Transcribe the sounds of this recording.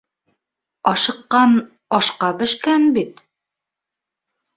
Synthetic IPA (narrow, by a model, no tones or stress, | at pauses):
ɒʃɤ̆qːɑn | ɒʃqɑbɘ̆ʃkænbit̪